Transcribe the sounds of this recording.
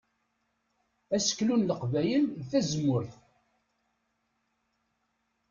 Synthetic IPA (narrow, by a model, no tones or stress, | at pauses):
æsə̥kːlunləqvæjəlðθæzəmːʊɾθ